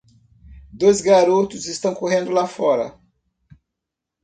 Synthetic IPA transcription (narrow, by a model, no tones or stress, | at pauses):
d̪ojzɡaɾot̪ʊzest̪ɐ̃w̃koɦẽnd̪ʊlafɔɾɐ̰